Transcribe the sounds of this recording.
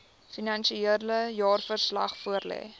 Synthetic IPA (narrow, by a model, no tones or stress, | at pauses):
finɐnʃieələjɑːrfərslɐ̰χfuərlɛ̰ː